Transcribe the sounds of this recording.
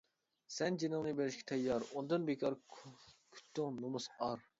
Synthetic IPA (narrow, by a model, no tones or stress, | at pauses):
sɛnd͡ʒinɪŋnɨbeɾɪʃkʲʰɛ̥t̪ʰɛjːɑɾund̪ɨnbekʰɑɾ | kʲʰy̥t̪ʰːɪŋnomusɑɾ